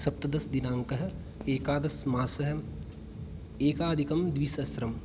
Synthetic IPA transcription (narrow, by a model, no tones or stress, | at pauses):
sɐp̚t̪ɐd̪ɐsd̪inaːŋkɐɦɐ̆ | eːkaːd̪ɐsmaːsɐɦɐ̆ | eːkaːd̪ʱikɐmd̪ʋisɐsɾɐm